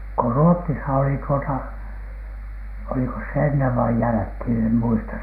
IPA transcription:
ko ruotːisɑ oli tuotɑ olikos se enːeʋ ʋɑi jælækhiˑn em muistɑ

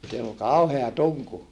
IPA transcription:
sielː ol kɑuheɑ tuŋku

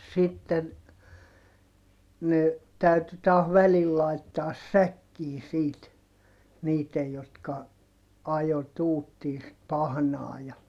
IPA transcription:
sitːen ne tæyty tɑːh ʋælil lɑitːɑːs sækːiː siːt niːtej jotkɑ ɑjo tuːtːiː sit pɑhnɑː jɑ

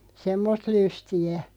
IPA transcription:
semːost lystiæ

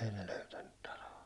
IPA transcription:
ei ne løytænːyt tɑloɑ

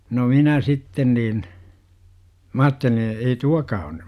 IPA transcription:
no minæ sitːen niːn m ɑːtːelĩː ei tuɑkɑː on ny

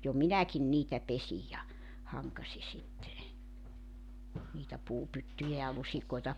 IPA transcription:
jo minækin niːtæ pesij jɑ hɑŋkɑsi sitːe niːtæ puːpytːyjæ jɑ lusikoitɑ

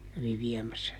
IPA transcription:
kæʋi ʋiɛmæsːæ

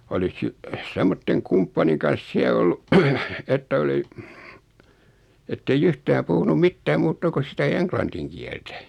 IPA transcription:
olis si semːotːeŋ kumpːɑniŋ kɑns siæ olːu etːæ oli etːeij yhtæː puhunum̆ mitːæː muːtːɑ kus sitæ eŋklɑntiŋ kiɛltæ

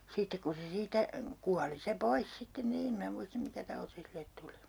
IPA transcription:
sitːek ku se siːtæ kuɑli se pois sitːen niːn em minæ muistɑ̆ mikæ tɑuti silet tuli

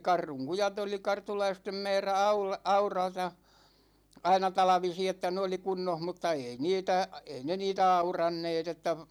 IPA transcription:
kɑrːuŋ kujɑt oli kɑrtulɑistem mɛːræ ɑul ɑurɑtɑ ɑinɑ tɑlɑ̆ʋisi etːæ ne oli kunːoh mutːɑ ei niːtæ ei ne niːtæ ɑurɑnːeːt etːæ

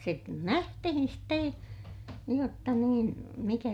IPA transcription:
se næhtihin ste jotːɑ niːn mikæ

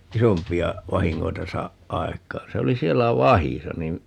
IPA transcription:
isompiɑ ʋɑhiŋːoitɑ sɑːʔ ʔɑekˑɑːn̞ se oli sielːæ ʋɑhisɑ nin

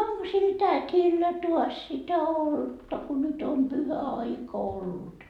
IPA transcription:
oŋko sil tætʲilːæ tuɑs sitæ oltːɑ ku nyt om pyhæɑikɑ olːut

